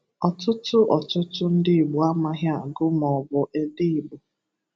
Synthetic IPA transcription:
ɔ˨tʊ˦tʊ˦ʔɔ˨tʊ˦tʊ˦n̩˦dɪ˦i˨ɡ͡bu˨a˦ma˦ɦja˦˨ɡʊ˦mɔ˨bʊ˨ʔe˦di˦i˨ɡ͡bʊ˨

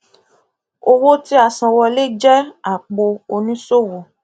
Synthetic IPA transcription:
o˧wo˦ti˦a˧˨sã˧wɔ˧le˦d͡ʒɛ˦a˨k͡po˧o˧nĩ˦so˦˨wo˨

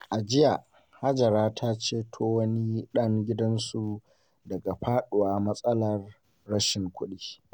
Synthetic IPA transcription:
ʔa˨d͡ʒɪ˦ja˨ | ha˦d͡ʒɐ˨ɾaː˦tʰa˦t͡ʃeː˦tʰoː˦wɐ˦ni˦ɗɐ˦ŋɡʲɪ˦dɐ˦nsu˨ | dɐ˨ɡa˨ɸaː˦ɗʊ˨waː˦mɐ˦sʼɐ˦lɐ˨rː | ɐ˦ʃɪ˨ŋkʷʊ˦ɗiː˦

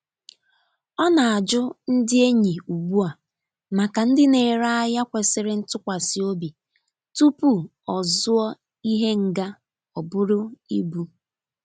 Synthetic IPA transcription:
ɔ˦na˨a˨d͡ʒʊ˦n̩˦dɪ˦e˦ɲi˨u˨ɡ͡bu˦a˨ | ma˨ka˨n̩˦dɪ˦ne˨ɾa˦a˦ja˦kʷe˨sɪ˦ɾɪ˦n̩˦tʊ˦kʷa˨sɪ˨o˦bi˨ | tu˦pu˦ | ɔ˨zʊ˦ɔ˦ | i˦ɦe˦ŋ̩˨ɡa˦ | ɔ˨bʊ˦ɾʊ˦ḭ˦bu˨

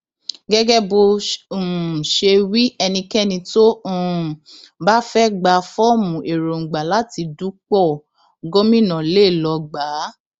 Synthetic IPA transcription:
ɡɛ˦ɡɛ˦bo˧ũ˨ʃe˧wi˦ɛ˧nĩ˧kɛ˦˨nĩ˧to˦ũ˨ba˦fɛ˦ɡ͡ba˧˨fɔ˦mũ˨ʔe˨ɾo˨ŋ̩˨ɡ͡ba˨la˦ti˧du˦k͡pɔ˦˨ | ɡo˦mĩ˦˨nã˨le˦˨lɔ˧ɡ͡ba˨˦

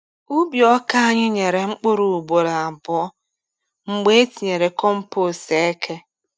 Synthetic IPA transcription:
u˦bjɔ˦ka˦a˦ɲɪ˦ɲe˨ɾe˨ŋ͡m̩˦k͡pʊ˦ɾu˨u˨bo˨ɾa˨a˨bɔ˦ɔ˦ | ŋ͡m̩˨ɡ͡be˦e˦ti˨ɲe˨ɾe˨kɔ˦m̩˦po˦se˨e˦kʰe˦

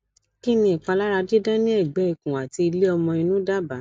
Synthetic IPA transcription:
ki˦nĩ˧˦i˨k͡pa˧la˦ɾa˧de˦dã˦nĩ˦ɛ˦˨ɡ͡bɛ˨˦i˦˨kũ˨a˨ti˧i˧le˦ɔ˧mɔ̃˧ĩ˧nũ˦da˦ba˨˦

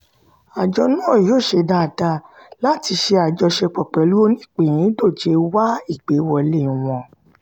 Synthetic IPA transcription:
a˨d͡ʒɔ˧nũ˦˨joː˦˨ʃe˧da˧˨da˧la˦ti˧ʃe˧a˨d͡ʒɔ˧ʃe˧k͡pɔ˨k͡pɛ˨lu˦o˧nĩ˦˨k͡pẽ˨ĩ˨˦do˦˨d͡ʒe˧wa˦i˦˨ɡ͡be˨˦wɔ˧lẽ˦˨w̃ɔ̃˧˨

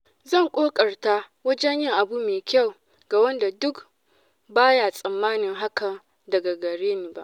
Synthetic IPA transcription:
zɐ˦˨ŋkʷʼoː˦kʼɐ˨rta˦ | wɐ˦d͡ʒɛ˦ɲjɪ˦ŋʔa˨bu˦meː˨kʲa˦˨w | ɡ̥a˨wɐ˦nda˨dʊ˦k | baː˦ja˨sʼɐ˨mːaː˦nɪ˨ŋɦa˦kɐ˨n | dɐ˨ɡa˨ɡɐ˨ɽeː˦neː˨ba˦ʔ

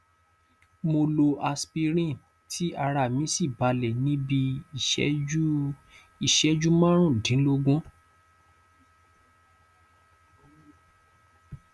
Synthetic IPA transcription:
mo˧lo˧ʔa˧spi˧ɾ̃ĩ˦˨ | tʰi˦a˧ɾa˧˨mĩ˨˦si˦˨ba˨˧lɛ˨nĩ˦bḭ˧˨˦ | i˦˨ʃɛ˨˦d͡ʒu˦mã˦ɾ̃ũ˦˨dĩ˨˦lo˧ɡũ˦

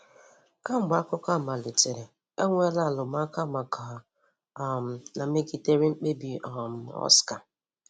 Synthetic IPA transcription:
ka˦ŋ͡m̩˨ɡ͡bkʊ˦ka˦˨ma˨le˨te˨ɾe˨ | e˦ŋʷ˦e˦la˦˨lʊ˨ma˦ka˦˨ma˨kʰa˨ | m̩˨na˨me˦ɡi˨te˦ɾi˦ŋ͡m̩˦k͡pe˦bi˨ɔ˨m̩˨ɔ̰˦ska˨

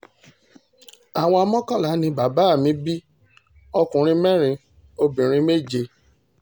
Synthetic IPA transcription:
a˨w̃ɔ̃˧a˧mɔ̃˦kɔ̃˦˨la˨˦nĩ˧ba˨ba˨˦˨mĩ˨˦bi˦ | ɔ˧kũ˨ɾ̃ĩ˧mɛ̃˦ɾ̃ĩ˧ | o˧bĩ˨ɾ̃ĩ˧˦me˦˨d͡ʒe˧

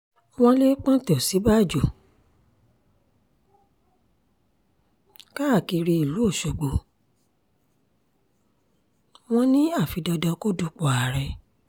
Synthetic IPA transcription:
w̃ɔ̃˧le˦k͡pɔ̃˦to˨si˨˦ba˦˨d͡ʒo˨ | ka˦a˦˨ki˨˧ɾi˧i˨lu˨˦o˦˨ʃo˨ɡ͡bo˨ | w̃ɔ̃˧nĩ˦a˦˨fi˧dɔ˧dɔ˧ko˦du˧k͡pɔ˨a˨ɾɛ˧

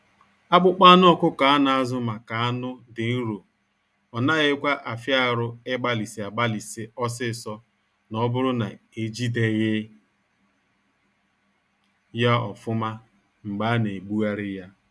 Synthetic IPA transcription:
a˦k͡pʊ˦k͡pa˦a˦nʊ˦ɔ˨kʊ˦ka˨a˦na˨a˦zʊ˦ma˨ka˨a˦nʊ˦dɪ˨n̩˦ɾo˨ | ɔ˨na˦ɣɪ˦kʷa˦ʔa˨fja˦˨ɾʊ˦ɪ˦ɡ͡ba˦li˨si˨a˨ɡ͡ba˦li˨sɪ˦ɔ˦s̬ɪ˦˨sɔ˦ | nɔ˦bʊ˦ɾʊ˦na̰˨e˨d͡ʒi˦de˨ɣɪ˦ | ja˦ɔ˨fʊ˦ma˦ | ŋ͡m̩˨ɡ͡ba˨˦ne˨ɡ͡bu˦a˦ɾɪ˦ja˦

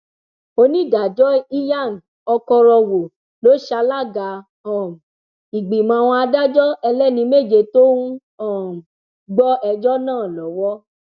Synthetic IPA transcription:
o˧nĩ˦˨da˨d͡ʒɔ˦i˦ja˦˨n̩˨ | ɔ˧kɔ˧ɾɔ˧wo˨ | lo˨˦ʃa˧la˦˨ɡa˧˦ | ɔ˨m˨ | i˨ɡ͡bi˨mã˧˦˧w̃ɔ̃˧a˧da˦d͡ʒɔ˦ɛ˧lɛ˦˨nĩ˧me˦˨d͡ʒe˧˨to˦ũ˦ | ɔ˦˨ | ɡ͡bɔ˦ɛ˧d͡ʒɔ˦nãː˦˨lɔ˨˦wɔ˦

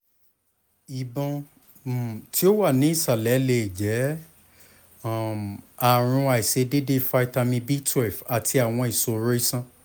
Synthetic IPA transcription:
i˨bɔ̃˧˨ | tʰi˦o˦wa˦˨nĩ˨˦i˦˨sa˨lɛ˨˦le˧˨d͡ʒɛ˨˦˨ | a˨ɾ̃ũ˧a˨i˨se˧de˦de˦˨fa˧i˦˧ta˧mĩ˧bi˦tʰwɛ˨fa˨tʰi˧a˨w̃ɔ̃˧i˨so˧ɾe˦i˦sã˦

